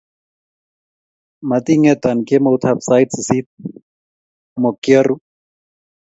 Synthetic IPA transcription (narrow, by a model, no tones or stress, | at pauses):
mat̪iŋɛt̪ankemout̪ʰapsajtssit̪̚ | mokjɔru